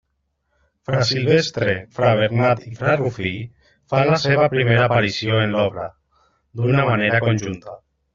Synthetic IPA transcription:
fɾasilβest̪ɾefɾaβ̞eɾnat̪ifɾarufi | fanlaseβ̞apɾimeɾaːpaɾisjoenlɔβɾa | d̪unamaneɾakonʲʒunt̪a

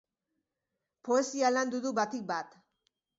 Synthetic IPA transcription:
po̞e̞sialand̪uðuβat̪ik̚bat̪

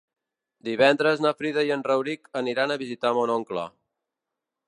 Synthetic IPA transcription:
d̪iβɛnd̪ɾəznafɾiðəjənrəwɾikəniɾanəβizit̪amonɔŋkla̰

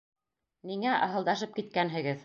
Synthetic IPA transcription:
niŋæʔɑ̰ɦɤ̆lˠd̪ɑʃɤp̚kit̪̚kænɦɘ̆ɡɘð

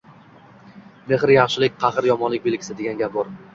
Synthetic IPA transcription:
meχɾjɑχʃɪlɪk̚ʲqʰɑχɨɾjɒmɒnlɪk̚ʲbelkʲʰɪsɪd̪eɡʲanɡʲap̚bɒɾ

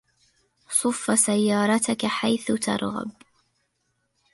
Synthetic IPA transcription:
sˤʊfːasajːɑːɾˤɑt̪akaħajθʊt̪ʰɑ̰ɾˤɣa̰b

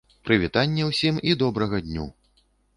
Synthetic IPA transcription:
pɾɨvʲit̪anʲːɛwsʲimid̪ɔbɾɐɣɐd̪ʲnʲṵ

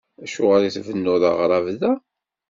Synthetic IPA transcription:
æʃʊʁaɾiθvənːʊðɑ̰ʁɾˤɑvðæ

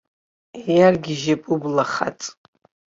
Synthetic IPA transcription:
ejarɡʲiʒapʼublaχa̰t͡sʼ

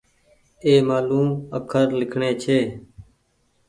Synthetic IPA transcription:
eːmaːluːməkʰəɾlɪkʰɳeːt͡ʃʰeː

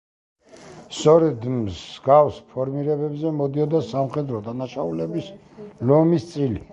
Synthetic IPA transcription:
st̪sʰʼɔɾɛd̪mzɡafspʰɔɾmiɾɛbɛbzɛmɔd̪iɔd̪asamχɛd̪ɾɔd̪anaʃaulɛbis | lɔmist̪sʼili

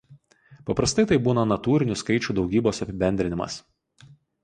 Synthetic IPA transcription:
pɐpɾɐst̪ɐɪt̪ɐɪbuːnɐnɐt̪uːɾʲɪnʲʊskɐɪt͡ʃʲuˑd̪ɒʊɡʲiːboːsɐpʲɪbʲɛnʲd̪ʲɾʲɪnʲɪmɐ̰s

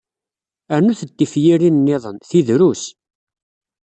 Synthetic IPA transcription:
əɾnuθəd̪ːifjiɾinnːɪðˤənθiðɾus

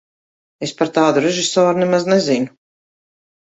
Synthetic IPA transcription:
espaɾt̪aːd̪uɾeʒisɔːɾunɛmaznezinu

